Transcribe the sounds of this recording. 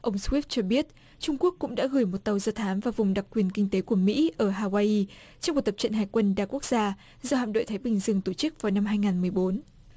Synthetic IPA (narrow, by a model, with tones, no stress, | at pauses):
ʔə˧wŋ͡mswi˦˥ft̚t͡ɕɔ˧ɓi˦˥ət̚ | t͡ɕʊ˧ŋ͡mku˦˥əkːʊ̰˧˥ŋ͡mɗa̰ː˧˥ɣɨː˧˩jmo˨˩t̚t̪ə˨˩wzəː˧t̪ʰaː˨˦mvaː˨˩vʊ˨˩ŋ͡mɗa˨˩k̚kːwi˨˩ənkï˧ŋ̟t̪e˨˦ku˧˩əmḭ˧˥ʔəː˧˩ɦaː˧waː˧ʔi˧ | t͡ɕɔ˧ŋ͡mku˨˩t̪ə˨˩p̚t͡ɕə̰˧˨nɦaː˨˩jkwə˧nɗaː˨˩ku˦˥k̚z̥aː˧ | zɔ˧ha̰˧˨nɗo̰˧˨jt̪ʰaː˨˦jɓï˨˩ŋ̟zɨ˧əŋt̪o˧˩t͡ɕɨ˦˥k̚vaː˨˩wna˧mɦaː˧jŋaː˨˩nmɨ˨˩əjɓo˨˦n